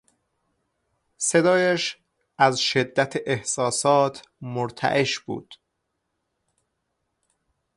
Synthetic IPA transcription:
se̞d̪ɒːjæʃ | ʔæzʃed̪ːæt̪ʰeʔehsɒːsɒːt̪ʰmoɾt̪ʰæ̰ʔeʃbṵːd̪̥

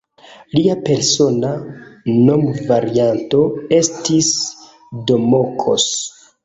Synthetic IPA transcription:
liape̞ɾso̞nano̞mvaɾianto̞e̞stis | do̞mokʰo̞̰s

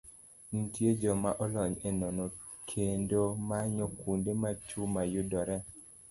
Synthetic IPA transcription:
n̩tjed͡ʒɔmaʔɔlɔɲenɔnɔ | kʰendomaɲɔkundemat͡ʃumajʊdɔɾɛ

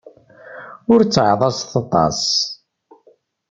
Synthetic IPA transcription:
ʊɾt͡sːəʕðˤɑsθɑt̪ˤɑ̰s

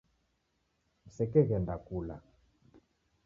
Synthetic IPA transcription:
m̩sɛkɛɣɛndakula

